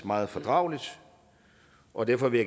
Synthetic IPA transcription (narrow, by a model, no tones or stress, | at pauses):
mɑ̈ːð̞̩ˠfɒ̽d̥ʁɑ̈ʊlid̥ | ʔɒ̽d̥æɐfɒ̽ʋe̝ja